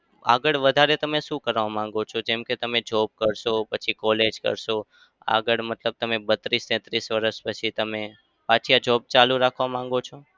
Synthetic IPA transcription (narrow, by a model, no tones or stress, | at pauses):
a̰ɡəɭʋəd̪ʱaɾet̪əmeʃũkəɾʋamãŋɡot͡ʃʰod͡ʒɛmket̪əmed͡ʒɔb̚kəɾʃopət͡ʃʰikɔled͡ʒkə̰ɾʃo | a̰ɡəɭmət̪ləb̚t̪əmebət̪ɾist̪ɛ̃t̪ɾisʋəɾəʃpət͡ʃʰit̪əme | pat͡ʃʰijad͡ʒɔb̚t͡ʃalũɾakʰʋamãŋ̆ɡot͡ʃʰo